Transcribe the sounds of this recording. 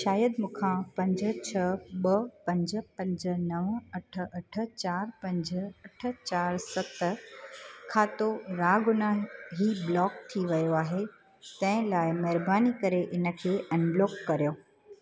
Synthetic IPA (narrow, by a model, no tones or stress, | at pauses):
ʃaːjəd̪mũːkʰãpɐ̃ɲd͡ʑə̆t͡ɕʰɐɓɐpɐ̃ɲd͡ʑə̆pɐ̃ɲd͡ʑə̆nɐʋɐʈʰə̆ɐʈʰə̆t͡ɕaːɾpɐ̃ɲd͡ʑəɐʈʰə̆t͡ɕaːɾsɐt̪ə | kʰãːt̪oɾaːɡʊnaɦiblɔːk̚t̪ʰiʋɐjoaːɦe | t̪ɐ̃ɦɪ̃laːɪmɐɦɪɾbaːnikɐɾeʔɪnə̆kʰeːʔɛ̃nbloːkːɐɾijoː